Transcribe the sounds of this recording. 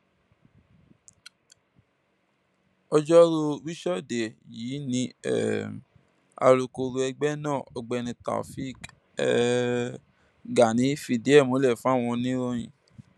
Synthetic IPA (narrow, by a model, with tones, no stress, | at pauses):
ɔ˧d͡ʒɔ˦ɾo˧wi˦ʃɔ˦˨de˨jiː˨˦nĩ˧˦ɛ̰˨ | a̰˧ɾo˧ko˧ɾo˧ɛ˧ɡ͡bɛ˦nãː˦˨ɔ˨ɡ͡bɛ˧nĩ˧ta̰˨fi˦˨k | ɛ̰˦˧ | ɡa˨nĩ˨˦fi˧˨di˦ɛ˦˨mo˨˦lɛ˦˨fũ˦a˦˨w̃ɔ̃˧nĩ˦ɾo˦j̃ĩ˨